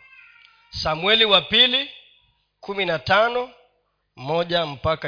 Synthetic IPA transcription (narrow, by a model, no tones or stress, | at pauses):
samwɛliwapili | kuminatanɔ | mɔʄam̩paka